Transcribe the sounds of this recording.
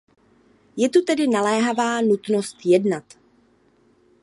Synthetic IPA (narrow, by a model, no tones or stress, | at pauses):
jɛt̪ut̪ɛdɪnalɛːɦavaːnut̪nost̪jɛdnat̪